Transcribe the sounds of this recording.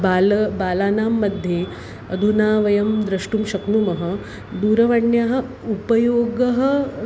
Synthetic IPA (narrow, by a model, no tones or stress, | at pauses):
baːlɐbaːlaːnaːmːɐd̪ʱje | ɐ̰d̪ʱunaːʋɐjɐmd̪ɾɐʂʈumʃɐknumɐɦɐ | d̪uːɾɐʋaɳjaːɦɐ̆ | upɐjoːɡɐɦɐ